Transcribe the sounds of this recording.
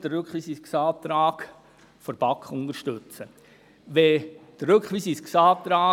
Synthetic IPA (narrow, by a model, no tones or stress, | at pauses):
d̥ərɾʉkχʋiːsisksaːt̪ɾaːk | fɔɾb̥ɑkχʊnd̥̪əɾʃtʉt͡sə | ʋed̥ərɾɵkχʋiːsisksɑːt̪ɾaː